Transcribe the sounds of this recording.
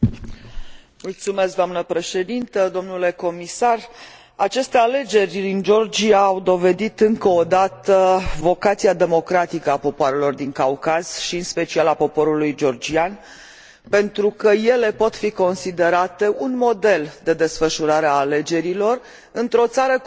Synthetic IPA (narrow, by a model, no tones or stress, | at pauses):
mult̪sume̞sk̚d̪oamnəpɾe̞ʃe̞d̪int̪əd̪o̞mnule̞ko̞misar | at͡ʃe̞st̪e̞ale̞d͡ʒe̞rʲd̪ind͡ʒo̞rd͡ʒiaːwd̪o̞ve̞d̪it̪ɨŋkəod̪at̪əvo̞kat̪siad̪e̞mo̞kɾat̪ikəapo̞poaɾe̞lo̞rd̪iŋkawkaz̥ʃiɨnspe̞t͡ʃialapo̞po̞ɾulujd͡ʒo̞rd͡ʒian | pe̞nt̪ɾukəje̞le̞po̞t̪fiko̞nsid̪e̞ɾat̪e̞ʔunmo̞d̪e̞ld̪e̞d̪e̞sfəʃuɾaɾeaːle̞d͡ʒe̞ɾilo̞r | ɨnt̪ɾo̞t̪saɾə